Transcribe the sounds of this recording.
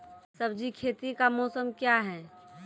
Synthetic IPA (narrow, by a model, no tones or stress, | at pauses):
sɐbd͡ʒikʰeːt̪ikamɔːsəmkjaɦɛː